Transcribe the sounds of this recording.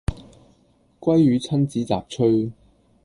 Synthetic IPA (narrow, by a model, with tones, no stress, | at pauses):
kʷɐ˥jɥyː˨˧t͡sʰɐ˥nt͡siː˨˥t͡sa̰ː˨p̚t͡ʃʰɵ˥ɥ